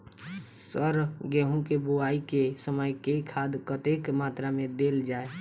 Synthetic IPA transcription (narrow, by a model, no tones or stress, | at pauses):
səɾɡeːɦũkeboaːikesəməjkekʰaːd̪kət̪ekmaːt̪ɾamẽd̪eːld͡ʒaːe